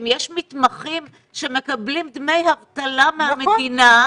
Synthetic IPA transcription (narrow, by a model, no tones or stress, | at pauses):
mjeʃmit̪maχim | ʃe̞me̞kablimd̪me̞jhavt̪alamehamedina